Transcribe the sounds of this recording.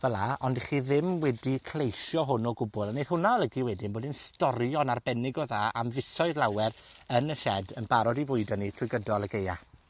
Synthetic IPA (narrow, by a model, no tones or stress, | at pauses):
vɛlˠaɔndiχiːðɪmwɛdikʰlejʃjɔɦʊnɔɡʊbɔlˠanejθhʊnaɔlˠəɡiwɛdɪnboːdɪnstɔrjɔnarbɛnɪɡɔðaːʔa̰mvɪsɔɨdlˠawɛrənəʃɛdənbaɾɔdivʊɨdənitʰrʊjɡədɔlˠəɡeja